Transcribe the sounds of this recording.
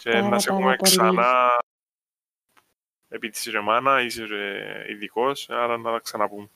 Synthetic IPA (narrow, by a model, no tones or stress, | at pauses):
ceːnːɐsexumeksɐnɐ | epit̪i̥sɾemɐnɐiseɾḭðikosɐɾɐnːɐðɐksɐnɐpum